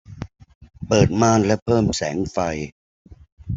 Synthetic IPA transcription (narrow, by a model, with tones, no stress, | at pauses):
pɤː˨˩t̪̚maː˧˥nlɛ˦˥wpʰɤː˥˩msɛ̰ː˩˦ŋfa˧j